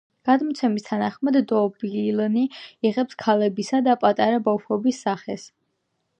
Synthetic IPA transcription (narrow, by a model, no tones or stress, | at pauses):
ɡ̥ad̪mɔt̪sʰɛmist̪ʰanaχmad̪ːɔbilniiʁɛpskʰalɛbisad̪apʼat̪ʼaɾabapʰɔbisːaχɛs